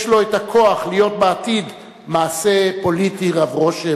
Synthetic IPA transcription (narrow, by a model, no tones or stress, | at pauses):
ʃlo̞etakʰo̞aχlijo̞t̚beatid | maːse̞po̞litiʁavʁo̞ʃe